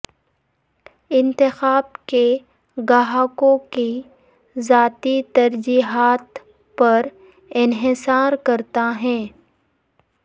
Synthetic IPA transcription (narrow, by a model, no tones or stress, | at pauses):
ɪ̃nt̪ɪxaːbke | ɡaɦaːkõki | zaːt̪it̪ɐɾd͡ʒiːɦaːt̪ | pɐɾ | ɪnɦɪsaːɾkɐɾt̪aɦɛ̃ː